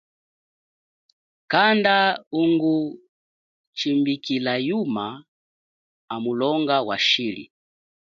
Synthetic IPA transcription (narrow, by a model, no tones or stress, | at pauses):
kandauŋɡu | t͡ʃimbikilajuma | amulɔŋɡawa̰ʃilḭ